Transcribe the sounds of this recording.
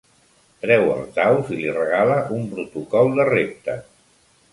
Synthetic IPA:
pɾɛwə̰lˠtawzilirəɣ̞aləʔumpɾut̪ukɔlˠd̪ərep̚t̪ə

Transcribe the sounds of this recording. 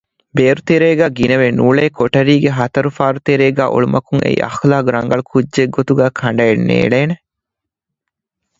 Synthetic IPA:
beːɾut̪eɾeːɡæːɡinɐʋenuːɭeːkʰoʈɐɾiːɡeɦɐt̪ɐɾufaːɾut̪eɾeːɡæːʔuɭumɐkuŋḛḭʔɐ̰xlaːɡɾɐŋɡɐɭukʰud͡ʒːeɡːot̪uɡæːkʰɐɳɖɐenːḛːɭeːne

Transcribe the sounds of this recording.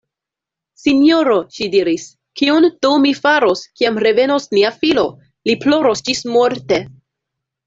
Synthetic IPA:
sinjo̞ɾo̞ʃidiɾis | kiontumifaɾo̞skiamɾe̞ve̞no̞sniafilo̞ | liplo̞ɾo̞sd͡ʒismo̞ɾte̞

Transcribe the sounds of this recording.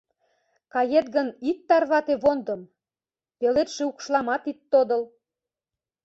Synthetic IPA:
kɑjet̪ɡənit̪ːɑrβɑt̪eβond̪ə̆m | pelet̪ʃeukʃlɑmɑt̪it̪ːod̪ə̆l

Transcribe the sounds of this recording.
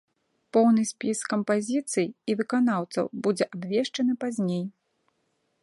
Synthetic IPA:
pɔwnɨsʲpʲiskɐmpazʲit̪sɨjivɨkan̪awt̪sɐ̰wbud͡zʲɛʔabvʲɛʂt͡ʂɐnɨpazʲnʲej

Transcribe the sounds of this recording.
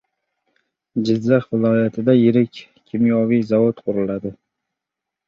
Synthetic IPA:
d͡ʒɪzːaχvɪlˠɒjat̪ʰɪd̪ajɪɾɪkʲ | kʲʰːɪmjɒvijzavot̪qʰʊɾɪlad̪ɪ

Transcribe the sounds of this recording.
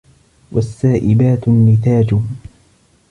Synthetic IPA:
wasːaːʔɪbaːt̪nːɪθaːd͡ʒʊ

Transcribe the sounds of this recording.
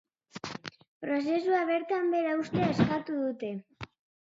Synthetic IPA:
pɾo̞s̬e̞suaβ̞eɾt̪ambe̞ɾaust̪eeskat̪uðut̪e̞

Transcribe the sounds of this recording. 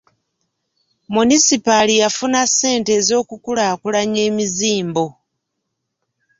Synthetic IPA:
munisipalijafunasːe̞ːnte̞ːzo̞ːkukulaːkulaɲe̞ːmiziːmbo̞

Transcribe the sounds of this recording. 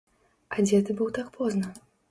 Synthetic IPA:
ad͡zʲɛt̪ɨbɨwt̪akpʰɔznɐ

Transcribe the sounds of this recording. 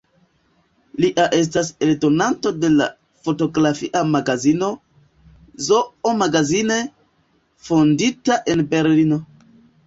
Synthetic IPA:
liʔaʔe̞s̬tase̞ldo̞nanto̞de̞la̰ | fo̞to̞ɡɾafiʔamaɡazino̞ | zoomaɡazine̞ | fonditaʔe̞nbe̞ɾlino̞

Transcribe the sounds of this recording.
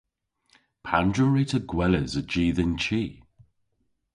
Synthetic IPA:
pʰãndɹəɹitʰəɡwɛləzəd͡ʒiːðɪnt͡ʃʰiː

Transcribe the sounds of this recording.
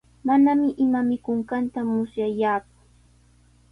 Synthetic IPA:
manamɪʔɪmamɪkʊŋkant̪amʊsjajaːk̚ʊ̥

